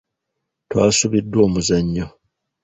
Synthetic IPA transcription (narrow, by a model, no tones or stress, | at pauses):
twa̰ːsuβidːwo̞ːmuzaɲːo